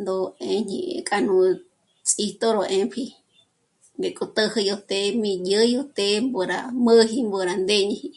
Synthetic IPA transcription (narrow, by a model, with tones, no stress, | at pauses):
nd̪o˧e˧ɲḭ̃˧kʼa˧nũ˧ | t͡sʼi˧t̪o˦ɾo˧ʔẽ˧mpʰi˧ | ŋɡe˨kʼo˧t̪ə˧hi˧jo˧t̪e˧mĩ˧jə˦jo˧t̪e˧˦mbo˧ɾa˧mə˦ɦi˧mbo˧ɾa˧nd̪e˦ɲĩ˧hi˧